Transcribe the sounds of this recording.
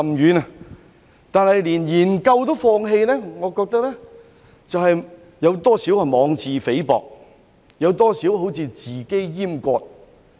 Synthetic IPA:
mjyː˨˧nɐ˨ | t̪aː˨˧nhɐ˨jliː˨˩njiː˨˩nkɐ˧wt̪o˥wfɔː˧ŋɦe˧jnɛː˥ŋɔː˨˧kɔː˧k̚t̪ɐ˥k̚lɛː˥ | t͡sɐ˨wɦɐ˨j | jɐ˨˧wt̪ɔː˥siː˨˥wɐ˨mɔː˨˧ŋt͡siː˨˧fe˨˥jpɔ̰ː˨k̚ | jɐ˨˧wt̪ɔː˥siː˨˥wɦo˨˥wt͡sʰiː˧t͡siː˨˩ke˥jjiː˥mkʷɔː˧t̚

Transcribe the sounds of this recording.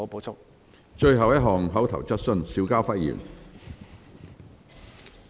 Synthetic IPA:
po˨˥wt͡sʰʊ˥k̚ | t͡ʃɵ˧ɥɦɐ˨wjɐ˥t̚ɦɔː˨ŋɦɐ˨˥wt̪ʰɐ˨˩wt͡sɐ˥t̚sɵ˥nsiː˨˥wkaː˥wfɐ˥t̚jḭː˨˩n

